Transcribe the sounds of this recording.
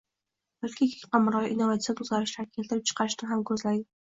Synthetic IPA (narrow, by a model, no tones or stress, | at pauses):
bʊɾkʲʰakʲʰɪ̥qɑmɾɒʔinːovat̪sijat̪ʰʊzaɾɪʃlaɾɪkʲʰe̞lt̪ɪɾɪp̚t͡ʃʰɨ̥qʰɑɾɪʃnɪɦamkʲʰɵzlad̪ɪ